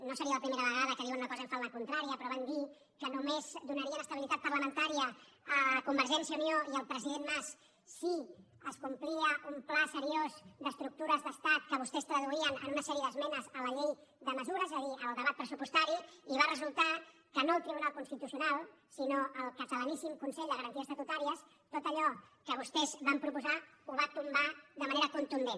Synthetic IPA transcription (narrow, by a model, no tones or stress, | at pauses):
nosəɾiələpɾimeɾəβəɣaðəkəðiwənunəkɔzəɱfalməkunt̪ɾaɾiəpɾɔβand̪i | kənumezd̪unəɾiəunəst̪əβilit̪at̪̚pərləmənt̪aɾiəəkumbəɾʒɛnsiəunioiəlˠpɾəziðenmas | si | əskumpliəumplasəɾiozd̪əst̪ɾuk̚t̪uɾəzðəst̪at̪̚kəβust̪ɛst̪ɾəðuiənə̰nunəsɛɾiəðəzmɛnəzələʎejðəməzuɾəzezəðiəlˠd̪əβat̪̚pɾəsupust̪aɾiiβarəzulˠt̪a | kənoəlˠt̪ɾiβunalˠkunst̪it̪usiunalˠ | sinoəlˠkət̪ələnisimkunsɛʎd̪əɣəɾənt̪iəst̪ət̪ut̪aɾiəs | t̪ot̪əʎɔkəβust̪ɛzβampɾupuzauβat̪umbaðəməneɾəkunt̪und̪en